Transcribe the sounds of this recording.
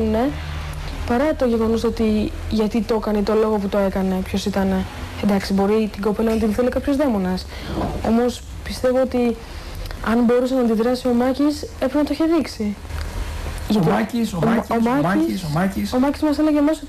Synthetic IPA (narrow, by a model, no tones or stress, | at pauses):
une̞ | pɐɾɐt̪o̞ʝe̞ɣo̞noso̞t̪i | ʝɐt̪it̪o̞kɐnit̪o̞lo̞ɣo̞put̪o̞e̞kɐne̞pço̞sit̪ɐne̞ed̪ɐksibo̞ɾit̪iɡo̞pe̞lɐnɐt̪inθelekɐpço̞zðe̞mo̞nɐs | o̞mo̞s | pist̪e̞voot̪i | ɐnbo̞ɾusenɐːnd̪iðɾɐsio̞mɐcise̞pɾinɐt̪oçe̞ðiksi | ʝɐt̪isomɐ | somɐcizmɐse̞le̞ʝemɐso